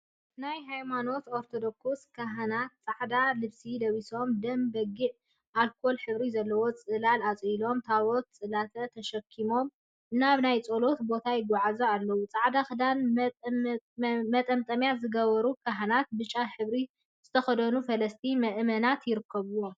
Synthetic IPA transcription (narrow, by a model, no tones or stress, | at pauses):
najɦajmano̞t̪oɾt̪ʰod̪okuskʰaɦɐnat̪̚t͡sʼaʕd̪alɨβsilɐβiso̞md̪ɐmbɐɡiʕ | ʔalkʰo̞lħɨβɾizɐlːɐwo̞t͡sʼɨlalat͡sʼilo̞mt̪ʰawot̪̚t͡sʼɨlat̪ʰɐt̪ʰɐʃɐkʰːimo̞m | naβnajt͡sʼolo̞t̪bo̞t̪ʰajɪɡɔʕazoalːɐwut͡sʼaʕd̪axɨd̪an | mɐt̪ʼɐmt̪ʼɐmjazɨɡɐβɐɾukʰaɦɐnat̪̚bɨt͡ʃʼːaħɨβɾi | z̥ɨt̪ʰɐxɐd̪ɐnufɐlɐst̪ʰimɐʔmɐnat̪jɪɾɨkːɐβuwo